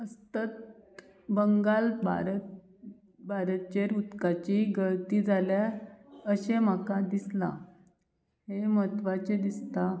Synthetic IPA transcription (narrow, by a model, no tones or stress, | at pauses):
əst̪ət̪̚ | bəŋɡalba̰ɾət̪ | bʱaɾət̪̚t͡ɕeɾut̪kat͡ɕiɡəɭt̪id͡zʱaljaəɕem̤akad̪isla̰ | hemət̪ʋat͡ɕed̪ist̪a